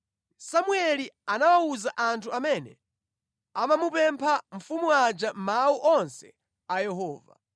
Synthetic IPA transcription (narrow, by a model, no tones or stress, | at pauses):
samuɛlianawauzaʔantʰuamɛnɛ | amamupɛmpʰaɱ̩fumuad͡ʒamauʔɔnsɛ̰ | ajɛɦɔːva̰